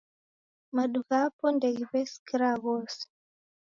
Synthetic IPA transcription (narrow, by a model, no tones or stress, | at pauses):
maɗuɣapɔndɛiβɛskiɾaɣɔs